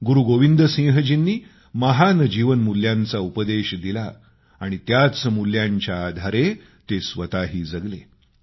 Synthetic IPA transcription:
ɡuɾuɡoʋind̪əsĩŋɦəd͡ʑinːiː | məɦanəd͡ʑiʋənmuljãnt͡saupəd̪eɕd̪ilaː | ɽ̃it̪jat͡smuljaɲt͡ɕjaːd̪ʱaɾe | t̪esʋət̪aɦiːd͡zəɡle

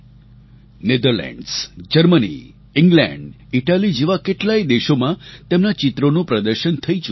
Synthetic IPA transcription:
ned̪əɾlɛ̰ɳɖsd͡ʒəɾmənḭ | ɪŋɡlɛ̰̃ɳɖ | iʈalid͡ʒeʋakeʈlaid̪eʃomãt̪emnat͡ʃɪt̪ɾonũpɾəd̪əɾʃənt̪ʰəit͡ʃ

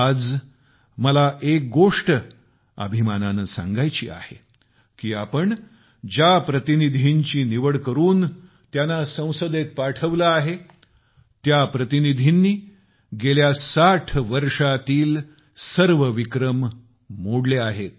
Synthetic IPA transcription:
ad͡z | məlaʔek̚ɡoʂʈə | ə̰bʱimananəsã̰ŋɡajt͡ɕḭːa̰hḛ | kiːapəɳ | d͡ʑjapɾət̪inid̪ʱiɲt͡ɕiːniʋəɽkəɾuːn | t̪janasə̃w̃səd̪et̪̚paʈʰəʋlaːɦe | t̪japɾət̪inid̪ʱinːiː | ɡeljasaʈʰʋəɾʂat̪iːl | səɾʋəʋikɾəmː | oɽleaɦet̪̚

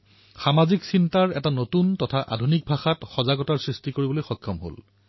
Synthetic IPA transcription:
xamaziksintaɹɛtanotuntɔtʰaʔa̰dʱunik̚bʱaxatxɔzaɡɔtaɹsɹistikoɹibɔlojxɔjkʰːɔmɦo̰l

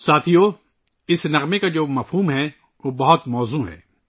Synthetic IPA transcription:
saːt̪ʰijoː | ɪsnɐɣmekad͡ʒoːmɐfɦuːmɦɛ | ʋoːbɐɦʊt̪mɔːzuːɦɛ̰ː

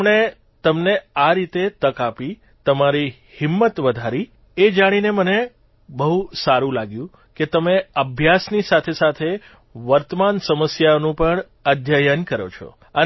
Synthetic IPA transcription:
ɽ̃e | t̪əmneaɾit̪et̪əkapi | t̪əmaɾi | hɪmːət̪ʋəd̪ʱaɾi | ed͡ʒaɽ̃ineməne | bəɦusaɾũlaɡjũ | ket̪əmeəbʱjasnisat̪ʰesat̪ʰe | ʋəɾt̪əmansəməsjanũpəɳ | əd̪ʱjajənkəɾo̰t͡ʃʰɔ̰ | ə

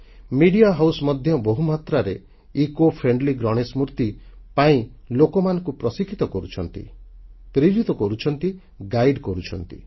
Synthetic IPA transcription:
miɽiaɦawsɔmɔd̪ʱjɔbɔɦumat̪ɾaɾe | ikopʰɾeɳɖliɡɾɔɽ̃esmuɾt̪ipaĩ | lokɔmanɔ̃ŋkupɾɔsikʰit̪ɔkɔɾut͡ʃʰɔnt̪ḭpɾid͡ʒit̪ɔkɔɾut͡ʃʰɔnt̪i | ɡajɖkɔɾut͡ʃʰɔnt̪ḭ

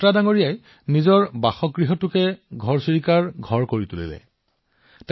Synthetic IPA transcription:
tɹadaŋoɹijaj | nizɔɹbaxɔkɡɹiɦɔtʊkɛɡʱɔɹsiɹikaɹɡʱɔɹkoɹitulḭlɛ̰ | t

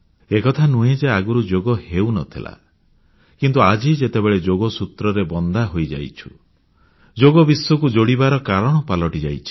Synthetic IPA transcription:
ekɔt̪ʰanuɦed͡ʒeaɡuɾud͡ʒoɡɔhewnɔt̪ʰila̰ | kint̪uad͡ʒid͡ʒet̪ebeɭed͡ʒoɡɔsut̪ɾɔɾebɔnd̪ʱaɦojd͡ʒa̰jt͡ʃʰu̥ | d͡ʒoɡɔbiswɔkud͡ʒoɽibaɾɔkaɾɔɽ̃ɔpalɔʈid͡ʒa̰jt͡ʃʰi̥

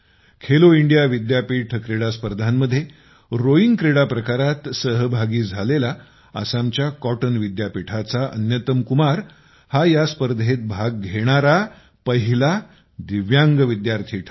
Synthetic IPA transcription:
kʰeloiɳɖijaʋid̪japiːʈʰkɾeɽaspəɾd̪ʱamːəd̪ʱːje | ɾoiŋɡkɾeɽapɾəkaɾat̪səɦbʱaɡiːd͡zʱalela | ə̰sãmt͡ɕjakɔʈənʋid̪japiʈʰat͡saʔə̰njət̪əmkumaɾ | hajaspəɾd̪ʱet̪̚bʱaɡ̚ɡʱeɽ̃aɾa | pəɦila | d̪iʋjaŋɡəʋid̪jaɾt̪ʰiːʈʰ

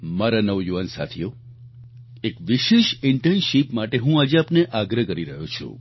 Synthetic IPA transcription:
maɾanəʋjuʋansa̰t̪ʰijo | ekʋiʃeʃɪɳʈenʃipmaʈeɦũad͡ʒeapneʔaɡɾəkəɾiɾəɦot͡ʃʰṵ̃

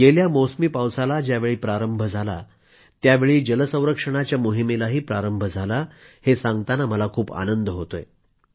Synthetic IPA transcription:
ɡeljamosəmiːpawsalad͡ʑjaʋeɭiːpɾaɾəmbʱəd͡zʱala̰ | t̪jaʋeɭiːd͡ʑələsə̃w̃ɾəkʂəɽ̃at͡ɕjamoɦimilaɦiːpɾaɾəmbʱəd͡zʱalahesãŋɡt̪anaməlakʰuːpa̰nənd̪əɦot̪oje

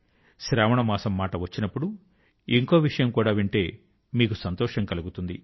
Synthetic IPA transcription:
ʃɾaːʋɐɳɐmaːsɐmːaːʈɐʋɐt͡ʃːinɐpːuɽu | iŋko̞ːʋiʂɐjɐmkuːɽaːʋiɳʈe̞ː | miːkusɐnt̪ɔːʂɐŋkɐluɡut̪und̪i

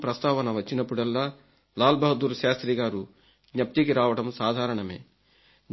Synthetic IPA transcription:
pɾɐst̪aːʋɐnɐʋɐt͡ʃːinɐpːuɽɛlːaː | laːlbɐɦɐd̪uɾʃaːst̪ɾiːɡaːɾu | ɡɲɐp̚t̪ikiɾaːʋɐɽɐmsaːd̪ʱaːɾɐɳɐme̞̰ː

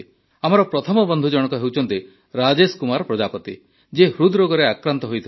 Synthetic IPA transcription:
amɔɾɔpɾɔt̪ʰɔmɔbɔnd̪ʱud͡ʒɔɽ̃ɔkɔɦewt͡ʃʰɔnt̪i | ɾad͡ʒeskumaɾɔpɾɔd͡ʒapɔt̪ḭ | d͡ʒehɾud̪ɾoɡɔɾeakɾant̪ɔɦojt̪ʰ

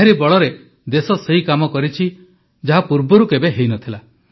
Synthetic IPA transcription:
eɾibɔɭɔɾe | d̪esɔseɦikamɔkɔɾit͡ʃʰi | d͡ʒaɦapuɾbɔɾukebeɦejnɔt̪ʰila

